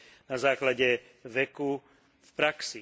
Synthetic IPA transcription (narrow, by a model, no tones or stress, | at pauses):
nazaːklaɟɛ | ʋɛku | fpɾaksi